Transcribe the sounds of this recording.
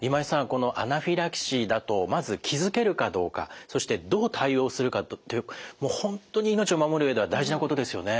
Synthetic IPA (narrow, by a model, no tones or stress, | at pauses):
imaisãŋko̞no̞ʔa̰naɸʲiɾakɕid̪at̪o̞mazɨkʲʰizɨke̞ɾɯ̟kad̪o̞ːka̰so̞ɕi̥t̪e̞d̪o̞ːt̪ʰaio̞ːsɨɾɯ̟kat̪t̪ːojɯ̟mo̞ːhõ̞nt̪o̞ɲ̟iːno̞t͡ɕio̞mamo̞ɾɯ̟βe̞d̪e̞βad̪aiʑinako̞t̪o̞d̪e̞sɨjo̞ne